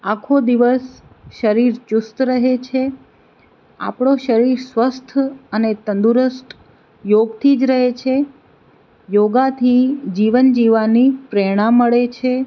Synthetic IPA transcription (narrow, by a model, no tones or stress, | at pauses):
akʰod̪iʋəs | ʃəɾiɾt͡ʃʊst̪ɾəɦet͡ʃʰe | a̰pɳ̃oʃəɾiɾsʋəst̪ʰənet̪ənd̪uɾəsʈ | joɡt̪ʰid͡ʒɾəɦet͡ʃʰe | joɡat̪ʰid͡ʒiʋənd͡ʒiʋanipɾeɽ̃ãmːəɭet͡ʃʰe